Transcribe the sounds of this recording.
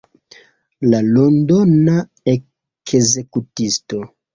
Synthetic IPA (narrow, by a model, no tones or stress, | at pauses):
lalondona | e | kʰeze̞kutisto̞